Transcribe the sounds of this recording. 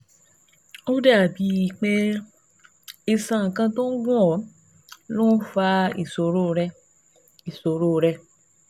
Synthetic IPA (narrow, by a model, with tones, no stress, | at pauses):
o˦da˦˨bi˨˦i˨k͡pe˧ | i˧sã˧ŋ̩˨kã˧to˦ɡũ˦ɔ˨˦ | lo˦n̩˦fa˧ḭ˦˨so˨ɾo˦˧ɾɛ˧ | i˨so˨ɾo˦˨˧ɾɛ˧